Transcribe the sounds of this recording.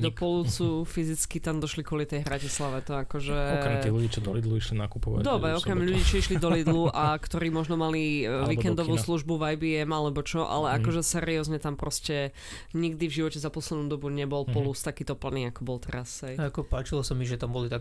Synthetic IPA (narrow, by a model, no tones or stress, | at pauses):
d̪ɔpɔlut͡sufizit͡skit̪amd̪ɔʃlikʊɔlit̪ɛjɦɾacislaʋɛt̪ɔakɔʒɛɔɾt̪iɣluɟiːt͡ʃɔd̪ɔ̰lid̪luiʃlina̰kupɔʋa̰d̪ɔbɾɛɔkɛmmʎuɟiːt͡ʃɔiʃlid̪ɔlid̪luʔakt̪ɔɾiːmɔʒnɔmaliʋiːkɛnd̪ɔʋuːsluʒbuvajbiːɛmalɛbɔt͡ʃɔʔa̰lɛakɔʒɛsɛɾiɔzɲɛt̪ampɾɔscɛ | ɲiɡd̪ivʒiʋɔcɛzapɔslɛd̪nuːd̪ɔbuɲɛbɔlpɔlust̪akiːt̪ɔpl̩niːakɔbɔlt̪ɛɾasɦɛjakɔpaːt͡ʃilɔsamiʒɛt̪ambɔlit̪a